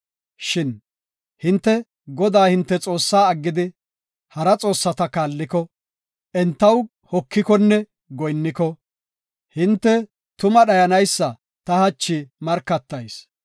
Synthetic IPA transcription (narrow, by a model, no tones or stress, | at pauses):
ʃɪn | hɪnt̪ːɛ | ɡɔd̪aːhɪnt̪ːɛt͡sʼo̞ːsːaːɐɡːɪd̪ɪ | hɐɾɐt͡sʼo̞ːsːɐt̪ɐkaːlːɪkɔ | ʔɛnt̪ːɐw | hɔkːɪkɔnːɛ | ɡɔjnːɪkɔ | hɪnt̪ːɛ | t̪ʊmɐɗɐjɐnɐjsːɐ | t̪ɐhɐt͡ʃːɪmɐɾkːɐt̪ːɐjs